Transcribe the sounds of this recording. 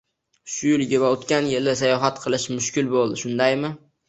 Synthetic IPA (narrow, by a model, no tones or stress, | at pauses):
ʃʊjɪlɡʲɪβaot̪kʲanjɪlɪsajɒɦat̪qʰɨlˠɪʃmʊʃkʲɪlbolˠd̪ɪʃʊnd̪ajmɪ